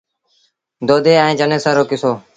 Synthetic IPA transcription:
d̪oːd̪eːaĩːd͡ʒəneːsaːɾoːkɪsoː

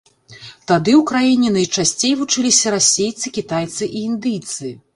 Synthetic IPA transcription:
t̪ad̪ɨwkɾajinʲɛnɐjt͡ʂasʲt͡sʲejvut͡ʂɨlʲisʲɐɾasʲejt̪sɨkʲit̪ajt̪sɨʔiind̪ɨjt̪sɨ

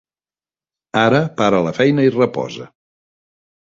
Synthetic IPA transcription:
aɾəpaɾələfɛjnəirəpɔ̰zə̰

